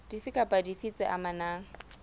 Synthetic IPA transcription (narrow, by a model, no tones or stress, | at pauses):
d̥ifɪkʼapʼadifit͡sɛʔamanaːŋ̩